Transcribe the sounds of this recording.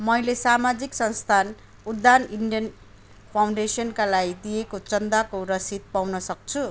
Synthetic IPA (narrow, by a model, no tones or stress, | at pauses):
mʌjlesamad͡ziksʌnst̪ʰan | ud̪ːaniɳɖijʌn | pʰawɳɖesʌnkalaid̪ijekot͡sʌnd̪akorʌsid̪̚pawnʌsʌk̚t͡sʰu